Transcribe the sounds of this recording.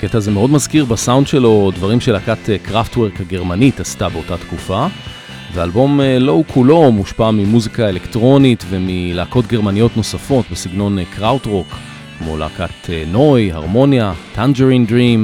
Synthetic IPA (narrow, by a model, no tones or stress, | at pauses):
aketaːzemeo̞dmazkiʁbasawndʃe̞lo̞dvaʁimʃelakatekʁaftweʁkhaɡe̞ʁmanitastabe̞o̞tatkufa | veaːlbo̞melo̞ukʰulo̞muʃpamimuzikaelektʁo̞nitve̞milaːko̞tɡe̞ʁmanijo̞tno̞safo̞tbesiɡno̞nkʰʁawtʁo̞k | kmo̞̰la̰ːkateno̞ja̰ʁmo̞njatʰand͡ʒeʁindʁim